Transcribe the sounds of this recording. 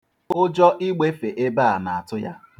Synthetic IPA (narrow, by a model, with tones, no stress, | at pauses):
o˦d͡ʒɔ˦ʔi˦ɡ͡be˦fe˨ʔe˦ba˦a˨na˨a˨tʊ˦ja̰˦